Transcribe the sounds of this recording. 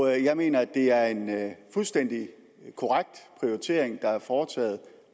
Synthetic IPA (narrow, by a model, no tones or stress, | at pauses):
jɑ̈ɪme̝̰ːnɐæd̥e̝æɐe̝nfulsd̥en̰d̥i | kʰo̝ʁaɡ̥̚d̥pʰʁio̝it͡sʰe̝̰ːɐ̰eŋd̥ɑ̈æɐfɒːt͡sʰɛ̰ːð̞̩ˠ